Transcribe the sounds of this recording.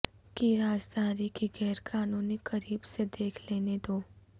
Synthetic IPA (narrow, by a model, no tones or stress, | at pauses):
kiɾaːd͡ʒd̪ʱaːɾikiɡɛːɾkaːnũːnikɐɾiːbsed̪eːkʰleːned̪oː